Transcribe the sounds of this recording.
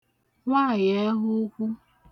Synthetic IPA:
ŋʷa˦˨je˦ɦʊ˦kʷu˦

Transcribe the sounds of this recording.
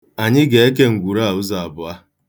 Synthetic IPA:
a˨ɲɪ˦ɡe˨e˦k̬e˦ŋ̩˨ɡʷu˨ɾa˦a˨ʊ˦za˨a˨bʊ˨a˦

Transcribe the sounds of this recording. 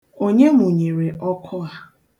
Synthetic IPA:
o˦ɲe˦mʊ˨ɲe˨ɾe˨ʔɔ˦kʰʊ˦ɣa˦

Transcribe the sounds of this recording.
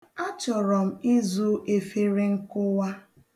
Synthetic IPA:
a˦t͡ʃɔ˨ɾɔ˨m̩˨i˦zu˦ʔe˨fe˦ɾe˦ŋ̩˦kʊ˦wa˦

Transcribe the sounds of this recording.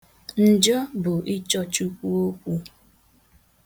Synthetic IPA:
n̩˨d͡ʒɔ˦bʊ˨ʔi˦t͡ʃɔ˦t͡ʃu˦kʷu˦o˦kʷu˦

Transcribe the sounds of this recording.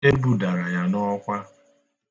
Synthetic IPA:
e˦bu˨da˨ɾa˨ja˦nɔ˦kʷa˦

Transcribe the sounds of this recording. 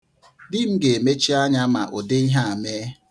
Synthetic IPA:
dɪ˦m̩˦ɡe˨e˨me˦t͡ʃi˦a˦ɲa˦ma˨ʔo˨de˦i˦ɦa˦a˨me˦

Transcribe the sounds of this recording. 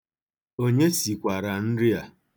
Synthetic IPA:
o˦ɲe˦si˨kʷa˨ɾa˨n̩˦ɾɪ˦a˨

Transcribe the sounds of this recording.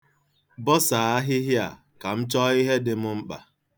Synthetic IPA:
bɔ˦sa˨a˦ɦɪ˦ɦja˨ | ka˨m̩˦t͡ʃɔ˦i˦ɦe˦dɪ˦mʊ˦ŋ͡m̩˦k͡pa̰˨

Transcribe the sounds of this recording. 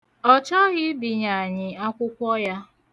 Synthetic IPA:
ɔ˦t͡ʃɔ˦ɣɪ˦bi˨ɲa˨a˨ɲɪ˨a˦kʷʊ˦kʷɔ˦ja˦

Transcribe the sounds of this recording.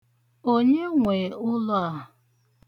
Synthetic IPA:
o˦ɲe˦ŋʷe˨ʊ˦lɔ˦˨a˨

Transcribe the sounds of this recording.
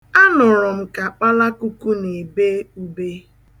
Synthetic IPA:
a˦nʊ˨ɾɔ˨m̩˨ka˨k͡pa˦la˦ku˦ku˦ne˨be˦u˦be˦

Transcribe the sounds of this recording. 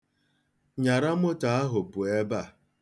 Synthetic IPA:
ɲa˨ɾa˦mʊ˦ta˨a˦ɦʊ˨pʊ˨e˦ba˦˨

